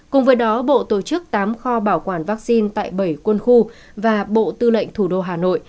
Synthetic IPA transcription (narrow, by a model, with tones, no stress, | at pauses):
kʊ˨˩ŋ͡mvəː˨˦jɗɔ˨˦ɓo̰˧˨t̪o˧˩t͡ɕɨ˦˥k̚t̪aː˨˦mxɔ˧ɓaː˧˩wkwaː˧˩nvaː˦˥k̚si˧nt̪a̰ː˧˨jɓə˧˩jkwə˧nxu˧ | vaː˨˩ɓo̰˧˨t̪ɨ˧lə̰˧˨jŋ̟t̪ʰu˧˩ɗo˧ɦaː˨˩no̰˧˨jʔ